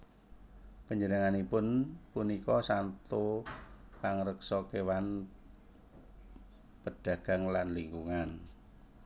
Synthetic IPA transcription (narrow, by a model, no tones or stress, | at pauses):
pəɲd͡ʒənəŋanipʊnpunikɔsant̪u | paŋɾəksɔkewan | pəɖ̥a̤ɡ̥a̤ŋlanliŋɡuŋan